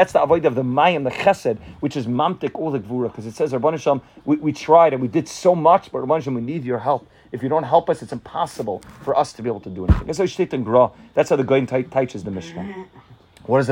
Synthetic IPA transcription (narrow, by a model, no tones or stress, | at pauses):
ðætsðiavoɪdəʌvðəmaɪɨ̃mðəχɛsɨd̚wɨt͡ʃɨzmãmtɨkɔlˠðəɡvuɹəkʰʌzɨtsɛzɹboɪnɨʃɔlˠmwiwitʰɹ̥aɪɾɨ̃nwidɨd̥soʊmʌt͡ʃb̥ʌt̚ɹbõɪnəʃlˠmwinidjə˞ɦɛlˠp | ɨfjɨɾõʊ̃nt̚ɦɛlˠpʌsɨtsɨ̃mpʰɑsəbəl̩ˠfə˞ʔʌstʰəbieɪbl̩ˠtʰədəɛnḭθɪ̃ŋɨ̃zoɪʃtɪtɨ̃nɡɹɔðætsaʊðəɡoɪ̃nʰtʰaɪt͡ʃɨzðəmɪʃkə | wʌɾɨz